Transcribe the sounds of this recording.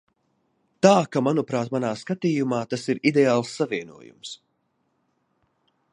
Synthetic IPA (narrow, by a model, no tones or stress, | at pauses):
t̪aːkamanupɾaːt̪manaːskat̪iːjumaːt̪asiɾid̪eaːlˠsːaviɛnṵɔjṵms